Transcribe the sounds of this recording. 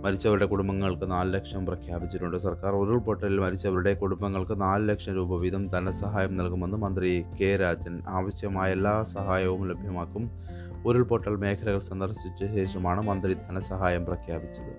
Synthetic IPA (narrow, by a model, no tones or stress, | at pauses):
mɐɾit͡ɕːɐʋɐɾuɽe̞kuɽumbɐŋːɐɭkɨnaːlɨlɐkʂɐmprɐkʰjaːbit͡ɕːiʈːuɳɖɨsɐrkaːroɾuɭpo̞ʈːɐlilmɐɾit͡ɕːɐʋɐɾuɽe̞kuɽumbɐŋːɐɭkɨnaːlɨlɐkʂɐmɾuːbɐʋid̪ʱɐmd̪ʱɐnɐsɐɦaːjɐmnɐlkume̞nːɨmɐnd̪rike̞ːɾaːd͡ʑɐnaːʋɐɕjɐmaːje̞lːaːsɐɦaːjɐʋumlebʱjɐmaːkːum | oɾuɭpoʈːɐlme̞ːkʰɐlɐɣɐɭsɐnd̪ɐrsit͡ɕːɐɕe̞ːʂɐmaːɳɨmɐnd̪rid̪ʱɐnɐsɐɦaːjɐmprɐkʰjaːbit͡ɕːɐðɨ